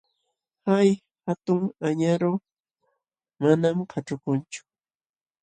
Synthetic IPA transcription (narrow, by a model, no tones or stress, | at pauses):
haj | hat̪ʊŋaɲaɾo | manamkʰaʈ͡ʂʊkʊnt͡ʃʊ̥